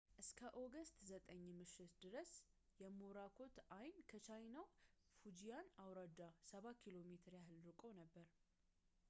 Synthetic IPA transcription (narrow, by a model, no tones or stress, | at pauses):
ʔɨskʰəʔo̞ɡəst̪ʰʼzət̪ʼəɲːmɨʃːɪt̪d̪ɨɾəs | jɛmoɾakʰo̞t̪ajnkʰət͡ʃʰajnawfud͡ʒijanawɾad̪asəβakʰilo̞me̞t̪ʰɨɾjaɦɨlɾɨkʼonəbːəɾ